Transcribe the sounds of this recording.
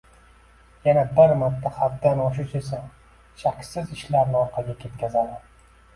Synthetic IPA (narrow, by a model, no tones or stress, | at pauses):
janabɪɾmat̪ʰːahabd̪anɒʃʊt͡ʃesa | ʃakʲsɪzɪʃlaɾnɪɒɾqʰɑɡʲakʲʰe̞t̪̚kʲʰazad̪ɪ